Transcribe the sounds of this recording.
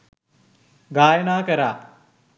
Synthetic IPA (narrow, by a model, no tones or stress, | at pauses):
ɡaːjənaːkəɾaː